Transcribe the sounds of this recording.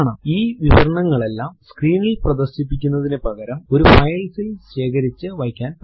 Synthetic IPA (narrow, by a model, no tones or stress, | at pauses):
ɳɨiːʋiʋɐɾɐɳɐŋːɐɭe̞lːaːmskriːnilprɐðɐrɕip̬ːikʲːunːɐðinepɐɣɐɾɐmo̞ɾufɐjɐlsilɕe̞ːkɐɾit͡ɕːɨʋɐjkʲːaːn